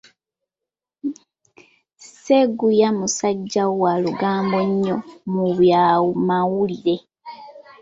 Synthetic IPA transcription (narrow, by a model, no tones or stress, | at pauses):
seɡujamusaɟːawaluɡaːmbo̞ɲːo̞muβjamawuliɾe̞